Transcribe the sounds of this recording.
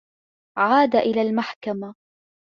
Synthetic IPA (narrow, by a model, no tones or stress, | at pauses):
ʕaːd̪aʔɪlaːlmaħkama